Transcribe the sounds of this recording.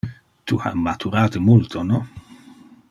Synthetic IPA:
t̪ua̰mːat̪ʰuɾaːt̪emult̪ʰonɔ

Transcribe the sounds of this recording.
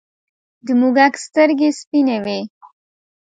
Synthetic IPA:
d̪əmuɡakst̪əɾɡespinewe

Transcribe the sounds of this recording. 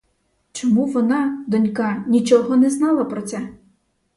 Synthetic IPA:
t͡ʃɔmuʋɔnɑd̪ɔnʲkɑnʲit͡ʃɔɦɔnɛznɑlˠɐpɾɔt̪sɛ

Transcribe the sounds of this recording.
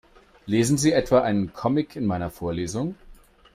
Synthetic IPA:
leːzn̩ziːʔɛtv̥aːʔaɪnənkʰɔmɪkʰɪnmaɪnɐfoːɐleːzʊŋ

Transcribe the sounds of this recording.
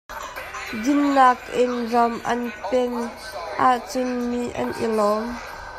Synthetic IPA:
dɪnːaːkʔɪnrɐmʔɐ̰npɛn | ʔaʔt͡sʊnmiʔɐ̰nʔɪ̰lɔːm

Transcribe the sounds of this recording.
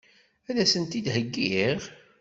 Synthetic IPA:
æðæsənt̪id̪həɡːiʁ

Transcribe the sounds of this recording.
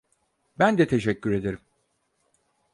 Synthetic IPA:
bænd̪ɛt̪ʰe̞ʃɛcːyɾe̞d̪eɾim

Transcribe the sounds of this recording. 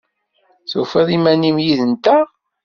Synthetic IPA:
θufəðˤimænimjiðənt̪æ

